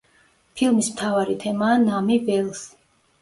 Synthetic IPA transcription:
pʰilˠmismt̪ʰavaɾit̪ʰɛmaːnamibɛlˠs

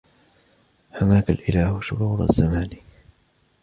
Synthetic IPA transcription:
hamaːkalʔɪlaːhʃʊɾuːɾˤa̰zːamaːni

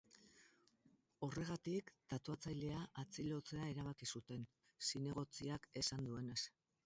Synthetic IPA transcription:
o̞re̞ɣ̞at̪ikt̪at̪uat͡sajle̞aʔat͡silo̞t͡se̞aeɾaβ̞akisut̪e̞n | sine̞ɣ̞o̞t͡siake̞sand̪ue̞ne̞s

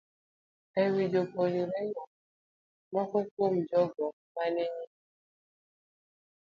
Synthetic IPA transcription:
ewid͡ʒoboɾiɾeɲɔ | mɔkɔkom̩d͡ʒɔɡɔ | maneɲi

